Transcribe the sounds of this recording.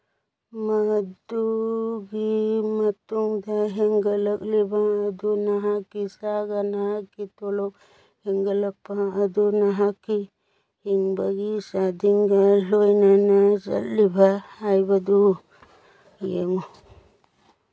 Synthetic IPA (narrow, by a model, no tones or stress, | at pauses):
mad̪uɡimɐt̪uŋd̪aɦeŋɡɐləklibʱaːd̪onaɦakisaɡanaɦakit̪olɔk | heŋɡɐlɐpːaɐd̪unaɦaki | hiŋbaɡisad̪iŋɡalojnanazɐ̰llibʱaːjbad̪u | jeŋu